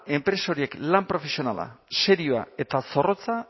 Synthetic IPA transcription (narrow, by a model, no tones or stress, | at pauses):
e̞mpɾe̞sao̞ɾie̞klampɾo̞fe̞sio̞nala̰se̞ɾioa̰e̞t̪aso̞ro̞t͡sa